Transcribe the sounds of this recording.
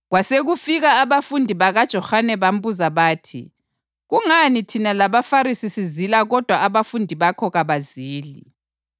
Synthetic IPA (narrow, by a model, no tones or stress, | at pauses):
ɣwaseɣufiɣaːβafundʱiβaɣad̥ʒ̥ʱɔhanɛβam̩buzaβaːtʰḭ | ɣuŋanitʰinalaβafaɾisisizilaɣɔd̥ʱwaaβafundʱiβakʰɔɣaβaziːli